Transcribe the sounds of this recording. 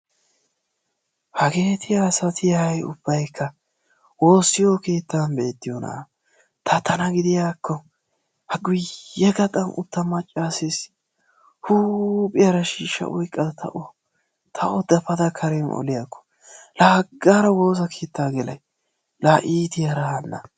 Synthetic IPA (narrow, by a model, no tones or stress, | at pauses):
hɐke̞ːt̪ʰɪjaːsɐt̪ʰɪjɐjʊb̥ːɐjkʰːɐ | wo̞ːsːɪjoke̞ːt̪ːanbɛɛt̪ːɪjonɐ̰ | t̪ʰɐt̪ɐnɐɡɪd̪ɪjaːkʰːɔ | hɐɡʊjːɛɡɐt̪ʼɐnʊ̰t̪ːɐmɐt͡ʃʼːaːses | huːpʼɪjɐɾɐʃiːʃːɐ̰wɔjkʼːɐd̪ɐt̪ʰɐ̰ʔɔ | t̪ʰɐʔɔd̪ɐpɐd̪ɐkʰɐɾɛmɔ̰lɪjakːɔ̥ | laːɡːaːɾɐwo̞ːzɐkʰe̞ːt̪ːaːɡɛlɐj | laːʔiːt̪ɪjɐɾɐɐnːɐ̰